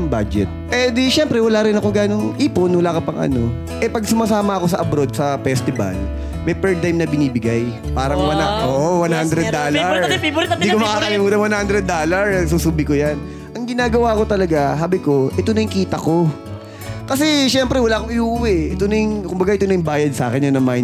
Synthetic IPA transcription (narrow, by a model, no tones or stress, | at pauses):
ɐmbad͡ʒɛt̪̚ʔɛd̪iʃɛmpɾɛwɐlaːɾɪnɐkoŋɡaːnoŋʔiːponwɐlaːkopɐŋʔɐ̰no̞̰ | ʔɛpɐɡ̚sʊmasaːmɐɐko̞s̬ɐʔɐbɾo̞d̪̚sɐfɛst̪ɪbɐ̰l | mɐjpɛɹ̚t̪ajmnɐbɪniːbɪɡaj | paːɾɐŋwɐoːʔowɐnhand̪ɾɛd̪ːalɐɹnd̪ikomɐkaːkɐlɪmuːt̪ɐnwɐnhand̪ɾɛd̪̚ːoːlɐɹsuːsuːbɪkojan | ʔɐŋɡɪnaːɡɐwaːko̞t̪ɐlɐɡaɦaːbɪko̞ʔɛt̪onɐjʊŋkiːt̪ɐko̞ | kɐsɛʃɛmpɾɛwɐlaːkoŋɪʔuːwɛʔɛt̪onɐjʊŋkʊmbɐɡaʔɛt̪onɐjʊbaːjɐd̪̚saːkɛnjʊnɐma